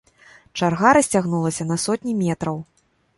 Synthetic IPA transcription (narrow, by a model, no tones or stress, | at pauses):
t͡ʂarɣaɾɐsʲt͡sʲaɣnulˠɐsʲɐn̪ɐsɔt̪ʲnʲimʲɛt̪ɾɐw